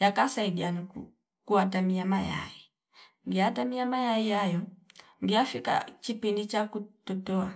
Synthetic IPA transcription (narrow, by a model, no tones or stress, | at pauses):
jakasaiɗiani | kuatamiamaja̰i | ŋɡiatamiamajaijajɔ | ŋɡiafika̰t͡ʃipindit͡ʃakutɔtɔa